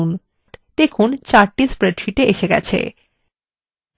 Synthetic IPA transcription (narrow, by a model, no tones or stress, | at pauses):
un | ʈt̪ekʰunt͡ɕaɾʈispɾeɖʃiʈeʔeʃeɡɛ̰t͡ɕʰḛ